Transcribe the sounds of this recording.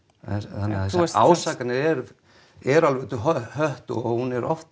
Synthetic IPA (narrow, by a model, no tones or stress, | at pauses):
θanːɪa̰ːwsaːkanɪɾɛɾ | ɛɾalvɛt̪ʏɦhœht̪ɔɣhunɛɾʔɔ̰ft̪